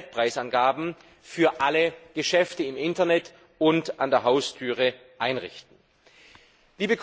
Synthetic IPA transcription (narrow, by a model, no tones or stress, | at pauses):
t̚pʁ̥aɪsanɡaːbm̩ | fyːɐʔaləɡ̥əʃɛftəɪmʔɪntɐnɛt | ʊntandeːɐɦaʊstʰyːʁəʔaɪnʁɪ̰çtn̩ | liːbəkʰ